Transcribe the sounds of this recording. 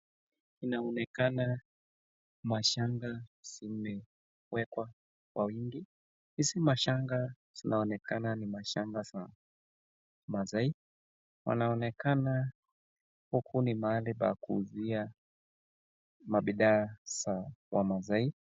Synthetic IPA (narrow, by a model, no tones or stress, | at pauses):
inaɔnɛkana | maʃaŋɡasimɛ | wɛkwa | kwʔawiŋɡi | sisimaʃaŋɡa | z̥inaɔnɛkananimaʃaŋɡasa | mazai | wa̰naɔnɛkana | hukʰunimaːliɓa̰kuzia | maɓiɗaːsawamazai